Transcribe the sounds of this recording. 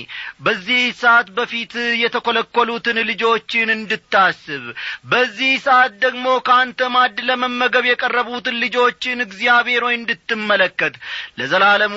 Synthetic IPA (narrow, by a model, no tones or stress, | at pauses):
bəzːihsəʔat̪bəfit̪jɛt̪ʰəko̞ləkːolut̪ɨnlɨd͡ʒo̞t͡ʃːɪnɨnd̪ɨt̪ʰːasːɨβbəzːihsəʔat̪̚d̪əɡmo̞kʰəant̪ʰəmad̪ləməmːəɡəβjɛkʼərːəβut̪ɨnlɨd͡ʒo̞t͡ʃːɪnɨɡzijaβhe̞ɾojɨnd̪ɨt̪ːɨmːələkːət̪ləzəlaləm